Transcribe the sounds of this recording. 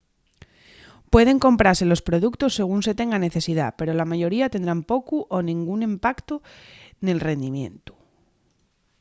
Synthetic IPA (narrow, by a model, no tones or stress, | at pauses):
pwe̞ð̞e̞ŋko̞mpɾaɾse̞lo̞spɾo̞ðukt̪o̞sːe̞ɣ̞uns̬e̞t̪e̞ŋɡane̞θe̞siða̰pe̞ɾo̞lamaʝo̞ɾiat̪e̞nd̪ɾampo̞kuʔonĩŋɡunimpakt̪one̞lre̞nd̪imjẽ̞̰nt̪u̥